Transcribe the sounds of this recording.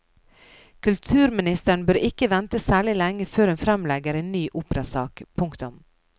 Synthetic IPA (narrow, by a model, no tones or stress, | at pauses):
kʰʉlt̪ʰʉːɾmɪnɪst̪əɳ̩bøːɾɪkəʋɛnt̪əsæːɭɪlɛŋːəføːɾɛnfɾɛmlɛɡəɾeːnnyːʔuːpɾɑsɑːkpʰʊŋkt̪ʊm